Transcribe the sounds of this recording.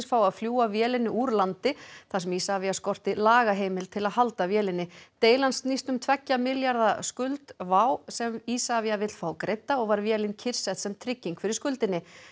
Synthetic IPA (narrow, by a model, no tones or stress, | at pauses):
sfawaðfljuːavjɛːlɪnːɪuɾlant̪ɪθḁsɛmiːsavijaskɔr̥t̪ɪlaːɣaɦeːjmɪlt̪ʰɪlaðhalt̪avjɛːlɪnːɪt̪eːjlansnist̪ʏmt̪ʰvɛcːamɪljaɾðaskʏlt̪vaːwsɛmisavjavɪt̪l̥faːwkɾejt̪ːaɔɣvaɾvjɛːlɪncʰɪɾ̥sɛht̪sɛmt̪ʰɾɪcːiŋkfɪɾɪɾ̥skʏlt̪ɪnːɪ